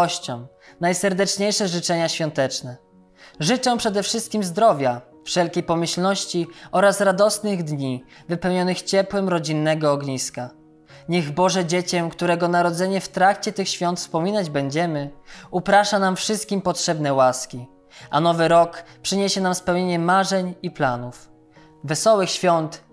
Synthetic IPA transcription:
ɔɕt͡ɕɔ̃m | najsɛɾd̪ɛt͡ʂɲejʂɛʐɘt͡ʂɛɲaɕfʲjɔ̃nt̪ɛt͡ʂnɛ | ʐɘt͡ʂɛpʂɛd̪ɛfʂɘst̪̚kʲimzd̪ɾɔvʲja | fʂɛlkʲejpɔmɘɕlnɔɕt͡ɕiɔɾasɾad̪ɔsnɘɣd̪ɲi | vɘpɛwɲɔnɘxt͡ɕɛpwɛmɾɔd͡ʑinːɛɡɔɔɡɲiska | ɲɛɣbɔʐɛd͡ʑet͡ɕɛmkt̪uɾɛɡɔnaɾɔd̪zɛɲɛft̪ɾakt͡ɕɛt̪ɘxɕfʲjɔ̃nt̪spɔmʲinad͡ʑbɛɲd͡ʑɛmɘupɾaʂanamfʂɘst̪̚kʲimpɔtʂɛbnɛwaskʲi | ʔa̰nɔvɘɾɔkpʂɘɲeɕɛnamspɛwɲeɲɛmaʐɛɲiplanuf | vɛsɔwɘxɕfʲjɔnt̪

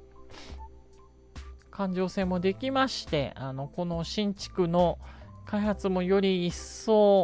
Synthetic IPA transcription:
kʰãɲ̟d͡ʑo̞ːsẽ̞mːo̞d̪e̞kʲimaɕi̥t̪e̞̰ano̞ko̞no̞ɕĩɲ̟t͡ɕi̥kɯ̟no̞kaihat͡sɨmo̞jo̞ɾʲiːsːo̞ː

